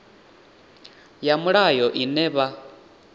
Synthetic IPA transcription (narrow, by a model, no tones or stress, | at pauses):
jamuɺajɔʔinɛβa